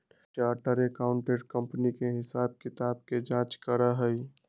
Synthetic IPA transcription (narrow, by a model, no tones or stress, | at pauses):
t͡ʃaːɾʈəɾekaːʊɳʈeɖkə̃mpnikeɦɪsaːb̚kɪt̪aːb̚ked͡ʒãːt͡ʃkəɾaɦəi